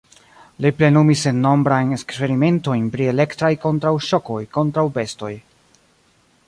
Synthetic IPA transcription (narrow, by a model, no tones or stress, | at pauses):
liple̞numisenːo̞mbɾajnekspe̞ɾime̞nto̞jnpɾie̞le̞ktɾajko̞ntɾawʃo̞ko̞jko̞ntɾawbe̞sto̞j